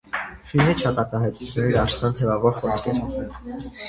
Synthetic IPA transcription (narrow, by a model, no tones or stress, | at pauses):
filmiʃʰɑt̪ɑt̪ɑɦɑjt̪u̥t͡sʰjunːɛɛɾɑɾsɑnt̪ʰɛvɑvɔɾχɔskʰɛɾ